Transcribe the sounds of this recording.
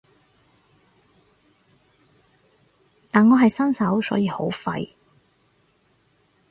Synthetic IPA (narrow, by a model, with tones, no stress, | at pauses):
t̪aː˨nŋɔː˨˧ɦɐ˨jsɐ˥nsɐ˨˥wsɔ̰ː˨˥jiː˧ho˨˥wfɐ̰˧j